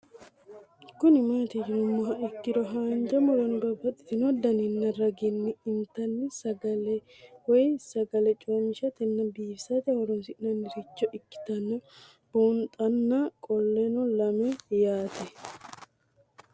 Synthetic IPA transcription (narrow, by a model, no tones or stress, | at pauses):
kʊnɪmaːt̪id͡ʒɪnʊmːɔɦɐʔɪkːɪɾɔɦaːnd͡ʒɐmʊɾɐnbɐbɐt̪ʼːɪ̥t̪ɪnɔd̪ɐnɪnːɐɾɐɡɪnːɪɪnt̪ɐnːɪsɐɡɐlɛ | wɔjsɐɡɐlɛt͡ʃʼoːmɪʃɐt̪ɪnːɐbiːfsɐt̪ɛhɔɾɔnsɪʔnɐnːɪɾɪt͡ʃːɔʔɪkːɪ̥t̪ɐnːɔ | b̥oːnt̪ʼɐnːakʼɔlːɛnɔlɐmɛjaːt̪ɛ